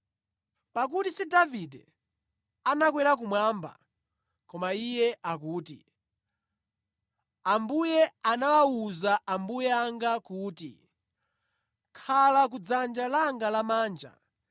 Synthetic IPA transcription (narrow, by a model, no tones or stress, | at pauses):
pak̬utisidavidɛ̰ | anakwɛɾak̬umwaːmba̰ | kɔmaijɛʔakuːti | ambujɛanawauzaʔambujɛaŋɡakuːtḭ | kʰalak̬ud͡zand͡ʒalaŋɡalamaːnd͡ʒa̰